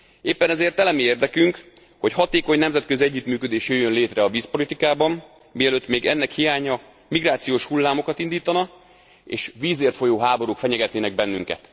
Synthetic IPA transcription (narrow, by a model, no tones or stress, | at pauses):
eːpːɛnɛzeːrt̪ɛlɛmieːrd̪ɛkyŋk | ho̞chɒt̪eːko̞ɲnɛmzɛt̪køziɛɟːyːt̪myːkød̪eːʃjøːjːønleːt̪rɛɒviːspo̞lit̪ikaːbɒm | mijɛløːt̪ːmeːɡɛnːɛkhijaːɲɒ | miɡraːt̪sijoːʃhulːaːmo̞kɒt̪ind̪iːt̪ɒnɒ | ḛːʃʋiːzeːrt̪fo̞joːɦaːbo̞ɾukfɛɲɛɡɛt̪neːnɛɡ̚bɛnːyŋkɛ̰t̪